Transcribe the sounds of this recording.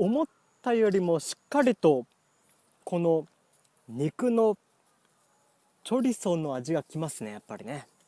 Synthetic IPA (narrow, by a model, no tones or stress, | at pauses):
omo̞t̪ːajo̞ɾʲimo̞ɕi̥kːaɾʲit̪o̞ | ko̞no̞ | ɲ̟ikɯ̟no̞ | t͡ɕo̞ɾʲiso̞nːo̞aʑiɡakʲimasɨne̞japːaɾʲine̞